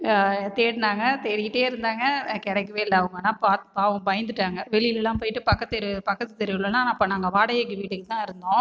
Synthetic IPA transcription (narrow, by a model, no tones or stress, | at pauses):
t̪eːɽɯnaːŋɡɐt̪ɛɾɪjɪʈːeːɪɾɯnd̪aːŋɡɐkɛɽɛkːɯʋeːɪlːɐɐʋɯŋɡɐnãːpaːt̪ɯpaːʋɐ̃bɐjɐnd̪ɯʈːaːŋɡɐʋɛɭɪjɪlɛlːãːp̬oːjɪʈːɯpɐkːɐt̪ːɪɾpɐkːɐt̪ːɯt̪ːɛɾɪʋɪlɐlãːnːɐpːoːnaːŋɡɐʋaːɽɐjeːk̬ːɯʋiːʈːɯkːɯt̪ãːɪɾɯnd̪õː